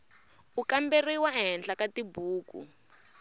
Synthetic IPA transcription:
ukamberiwaɦɛnɬakatibuːkṵ

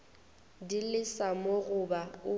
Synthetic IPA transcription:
dilɪsamoɣʊbaʊ

